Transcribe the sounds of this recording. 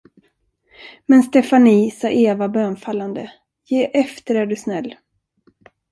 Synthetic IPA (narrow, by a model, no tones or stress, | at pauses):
mɛnst̪ɛfaniːsɑːʔeːvabøːnfalːand̪ə | jeːʔɛft̪əɾɛɖɵsnɛlː